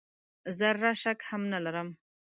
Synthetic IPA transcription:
zəɾaʃakhamnalaɾəm

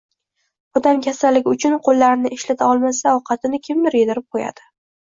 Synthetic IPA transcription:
ɒd̪amkʲʰasalːɪɡʲʊt͡ʃʰʊnqʰolˠːaɾɪnɪʔɪʃlat̪ʰaɒlˠmasaɒwqʰɑt̪ɪnɪkʲʰɪmd̪ɪɾjed̪ɪɾɪp̚qʰoja̰d̪̥ɪ

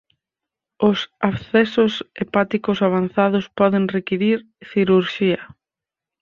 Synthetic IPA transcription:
ʊsaβθɛsʊsepat̪ikʊsaβ̞anθaðʊspɔðeŋrekiɾiɾ | θiɾuɾʃiɐ

